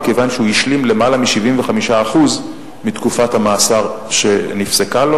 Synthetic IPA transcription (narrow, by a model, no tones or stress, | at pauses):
kevanʃeujiʃlimle̞malamiʃivimveχamiʃaːχuz | mitkufathamaːsaʁʃe̞nifsekalo̞